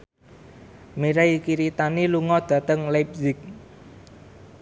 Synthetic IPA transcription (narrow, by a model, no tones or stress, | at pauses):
miɾajkiɾit̪aniluŋɔd̪̥ä̤t̪əŋlajp̚zɪk̚